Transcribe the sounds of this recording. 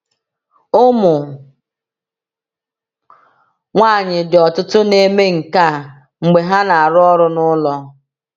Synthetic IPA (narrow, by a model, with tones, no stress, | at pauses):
ʊ˦mʊ˨ | ŋʷaː˦˨ɲɪ˨dɪ˨ɔ˨tʊ˦tʊ˦ne˦me˦ŋ̩˨ka˦˨ | ŋ͡m̩˨ɡ͡be˨ɦa˦na˨a˨ɾʊ˦ɔ˦ɾʊ˦nʊ˦lɔ˦